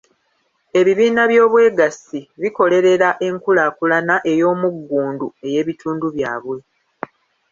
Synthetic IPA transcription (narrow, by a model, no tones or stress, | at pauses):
e̞βiβiːnaβjo̞ːβwe̞ːɡasiβiko̞le̞ɾe̞ɾaʔe̞ŋkulakulanaʔe̞jo̞ːmuɡːuːndue̞je̞ːβituːnduβja̰ːβwe̞